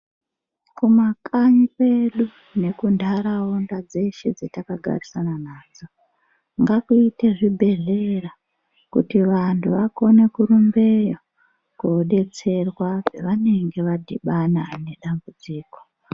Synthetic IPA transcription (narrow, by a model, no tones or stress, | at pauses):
kumakaɲipe̞ɗu | ne̞kundʱaɾaondad͡ze̞ʃed͡zetakaɡʱa̰risananaːd͡zo̞ | ŋɡakuite̞ʐibʱe̞ɮe̞ra | kṵtiʋantʰuʋako̞ne̞kuɾumbe̞jo | koɗe̞t͡se̞rwapeʋane̞ŋɡe̞ʋadʱiɓanane̞ɗambud͡ziːko̥